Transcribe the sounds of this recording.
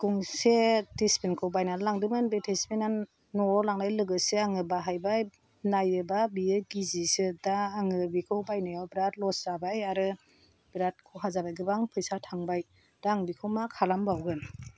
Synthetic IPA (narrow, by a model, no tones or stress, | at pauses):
kuŋsetespenkʰɯwbajnanlaŋdɯmɯnbetʰespenanː | ɔlaŋnajlɯɡɯseaŋɯbaɦajbaj | najɯbabiɯɡizisɯdaːŋɯbikʰɯwbajnajawbiɾat̚lɔz̥abajaɾɯ | b̥iɾat̚kʰɯwɦazabajɡɯbaŋpʰɯjsatʰaŋbaj | daŋbikʰɯwmakʰalambawɡɯn